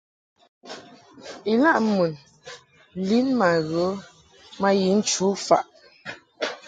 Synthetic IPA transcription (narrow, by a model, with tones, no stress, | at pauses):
i˨la˦˨ʔmu˨n | li˦nma˨ɣə˨˦ | ma˦ji˨˦n̩˨˦t͡ʃu˨˦fa̰˨ʔ